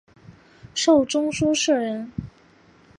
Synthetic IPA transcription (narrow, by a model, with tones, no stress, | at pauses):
ʂo˥˩ʊʈ͡ʂʊ˥ŋʂu˥ʂɻ̩˥˩ɻə˧˥n